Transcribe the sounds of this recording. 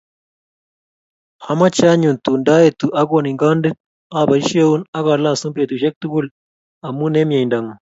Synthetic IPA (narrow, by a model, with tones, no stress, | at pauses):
a˨ma˦t͡ʃa˦ɲu˨nt̪u˨nda˦e˨t̪u˨ʔa˦ɡo˦˨ni˨ŋɡa˦nde˦t̚ | a˦˨ba˨i˦ʃe˦u˦na˦ɣa˨la˦˨su˦mpe˨t̪u˨ʃe˦k̚t̪u˦ɡu˦l | a˨mu˦ne˦mja˨i˨nda˨ŋo˨